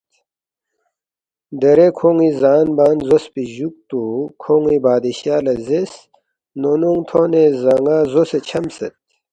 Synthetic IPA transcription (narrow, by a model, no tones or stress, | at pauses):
d̪eɾekʰoːŋizaːnbaːnzospiʑuk̚t̪ukʰoŋibaːd̪iɕjaːlɐzes | nonuŋt̪ʰoːnezɐŋaːzoset͡ɕʰɐmset̪̚